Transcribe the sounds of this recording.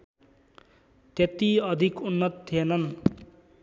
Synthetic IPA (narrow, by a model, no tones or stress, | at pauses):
t̪et̪iʌd̪ʱikunːʌt̪ʰːienʌn